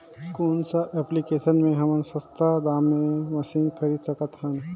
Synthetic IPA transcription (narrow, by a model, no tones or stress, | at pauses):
skoːnsəʔɛplikesənmẽɦɐmənsəst̪ad̪amːeməsinkʰəɾid̪səkət̪ɦən